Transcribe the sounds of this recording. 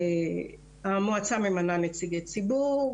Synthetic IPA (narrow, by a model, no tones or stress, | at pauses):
e | amoat͡samemananet͡siɡet͡sibuʁ